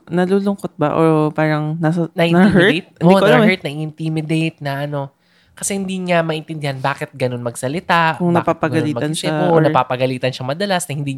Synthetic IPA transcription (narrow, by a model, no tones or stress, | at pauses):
nɐluːlʊŋkot̪̚bɐʔopaːɾɐŋnasɐnɐʔɐhɛt̪̚ʔ̪inmɛɹt̪̚nɐʔiɪnt̪imɪd̪ejt̪̚nɐʔɐno̞ | kɐsɛhɪnd̪iɲamɐʔɪnt̪ɪnd̪ɪhanbaːkɪt̪̚ɡɐno̞nmɐɡsɐlɪt̪aʔkʊŋnɐpaːpɐɡɐɡɐliːmɐɐnʃɛɐonɐpaːpɐɡɐliːt̪ɐnʃɐŋmɐd̪ɐlasnɐhɪnd̪iː